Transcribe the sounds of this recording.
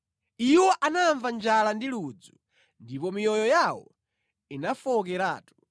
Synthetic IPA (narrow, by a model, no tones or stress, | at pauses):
iwɔʔanaɱvand͡ʒalandilud͡zu | ndipɔmijɔjɔjawɔ̰ | inafɔk̬ɛɾaːtu̥